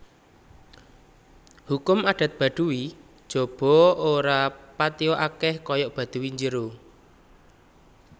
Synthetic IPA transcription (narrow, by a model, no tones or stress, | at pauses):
hukʊmaɖ̥a̤t̪̚b̥a̤ɖ̪̥uwi | d̥ʒ̥o̤b̥ɔ̤oɾapat̪iɔʔakɛhkɔjɔʔb̥a̤d̪̥ṳwiɲd͡ʒəɾo